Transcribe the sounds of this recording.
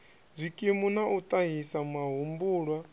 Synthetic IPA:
zʷikʼimunaʔut̪ʼaɦisamaɦumbuːɺwa

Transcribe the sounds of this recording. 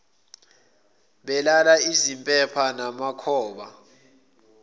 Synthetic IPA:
ɓɛlalaizimpʼɛpʰanamakʰɔːɓa

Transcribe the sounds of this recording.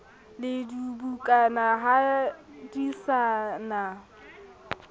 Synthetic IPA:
lɪdubukʼanaɦadisana

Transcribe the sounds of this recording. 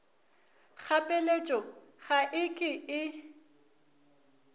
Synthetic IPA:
k͡xʰapʼɛlet͡ʃʼɔɣaʔɪkʼɪɪ

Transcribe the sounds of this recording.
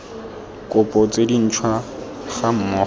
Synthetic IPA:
kʼʊpʼɔt͡sʼedin̩t͡ʃʰwa | χam̩mɔ

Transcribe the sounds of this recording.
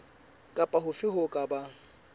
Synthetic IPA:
kʼapʼaɦʊfɪɦʊkʼaba

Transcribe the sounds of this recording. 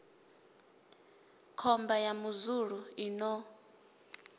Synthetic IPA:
kʰɔmbajamuzuɺuinɔ

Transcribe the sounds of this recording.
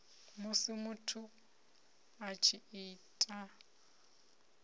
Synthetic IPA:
mʊsɪmʊtʰʊ | at͡ʃʰiiːtʼa

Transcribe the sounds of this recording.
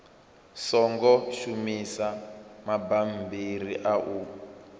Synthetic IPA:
sɔŋɡɔʃumisamabambiriʔaʔu

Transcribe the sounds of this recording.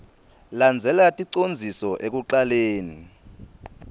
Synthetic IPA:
land͡zʱɛlatʼiǀond͡zʱisɔʔek̬uǃaleːni

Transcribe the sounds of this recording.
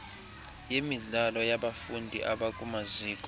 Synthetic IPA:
jemiɮalɔjaɓafundʱḭʔaɓakʼumaziːkʼɔ

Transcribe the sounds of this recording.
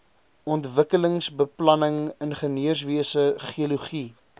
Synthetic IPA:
ɔntvəkələŋsbəplɐnəŋənχəniərs̬viəsəχiəluχi

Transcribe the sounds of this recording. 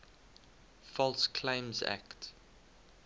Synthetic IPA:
fɔlˠskʰlẽɪ̃mzæ̰kt

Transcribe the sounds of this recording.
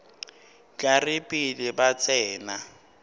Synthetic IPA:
kʼarɪpʼilɪbat͡sʼɛːna

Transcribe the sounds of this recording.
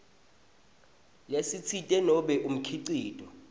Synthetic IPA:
lesit͡sʰitʼɛnɔɓɛʔum̩kʰiǀiːtʼɔ

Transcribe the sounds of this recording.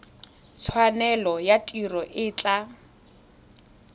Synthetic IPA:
t͡sʰwanɛlɔjatʼirɔʔɪːt͡ɬʼa

